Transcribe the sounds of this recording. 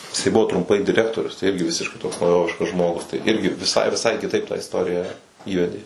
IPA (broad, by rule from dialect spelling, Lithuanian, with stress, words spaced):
jɪˈsɐɪ ˈbʊʋoː trʊmˈpɐɪ dʲɪˈrʲæːktoːrʲʊs tɐɪ ˈɪrʲɡʲɪ ˈʋʲɪsʲɪʃkɐɪ toːks nɐʊˈjoːʋʲɪʃkɐs ˈʒmoːɡʊs tɐɪ ˈɪrʲɡʲɪ ʋʲɪˈsɐɪ ʋʲɪˈsɐɪ kʲɪˈtɐɪp tɑː ɪsˈtoːrʲɪjɛ ˈiːʋʲɛdʲeː